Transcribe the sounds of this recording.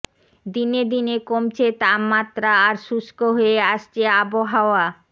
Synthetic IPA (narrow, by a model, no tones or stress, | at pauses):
d̪ined̪inekomt͡ɕʰet̪amːat̪ːɾaːɾʃuʃkoɦoeaʃt͡ɕʰeaboɦaoa